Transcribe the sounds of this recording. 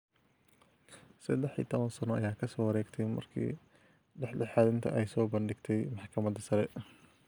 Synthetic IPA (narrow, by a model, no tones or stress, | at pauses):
sɐd̪ɛħḭːt̪ʰɔβɐnsɐnɔʔɐjaːkʰɐsɔːwɐɾɛːɡt̪ʰɛjmɐ̰rkʰḭː | ɖɛħlɛħaːd̪ɪnt̪ʰɐ̰ʔɛjsɔːbɐnɖɪɡt̪ʰɛjmɑħkʰɐmɐd̪ɐsɐɾɛ